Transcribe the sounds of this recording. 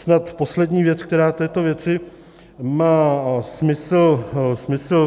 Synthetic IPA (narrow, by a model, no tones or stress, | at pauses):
snat̪po̞slɛdɲiːvjɛt͡skt̪ɛɾaːt̪ɛːt̪o̞vjɛt͡sɪ | maːsmɪsl̩smɪsl̩